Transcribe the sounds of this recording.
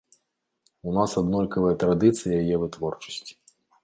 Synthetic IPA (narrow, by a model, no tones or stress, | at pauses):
unasad̪nɔlʲkɐvɨjɐt̪ɾad̪ɨt̪sɨjɐjajɛvɨt̪vɔrt͡ʂɐ̥sʲt͡sʲi̥